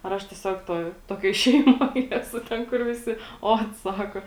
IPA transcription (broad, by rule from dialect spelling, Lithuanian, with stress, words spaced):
ɐr ˈɐʃ tʲiɛˈsʲoːk ˈtoːj ˈtoːkʲoːj ˈʃʲɛɪmoːj ˈæːsʊ ˈtʲɛn kʊr ʋʲɪˈsʲɪ ˈoːt ˈsɑːkoː